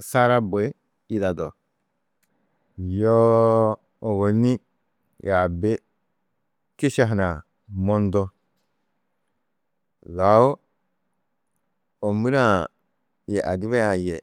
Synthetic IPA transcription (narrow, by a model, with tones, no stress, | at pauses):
sa˦ɾa˦bo˨e˦ | i˦˨da˨do˨ | jo˦ | o˨wo˨ni˦ | ja˨be˦ | ki˦ʃa˦˨ɦna˨ | mo˦ndo˦ | la˨o˦ | o˨mi˦ɾa˨ | je˨ʔa̰˨di˦βe˦ja˨je˨